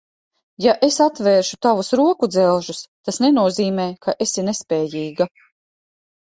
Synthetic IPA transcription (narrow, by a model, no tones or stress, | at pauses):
jaʔesat̪vɛːɾʃut̪avusɾuɔkud̪zɛlˠʒust̪asnenuɔziːmɛːkʰaʔesinespʲɛːjiːɡa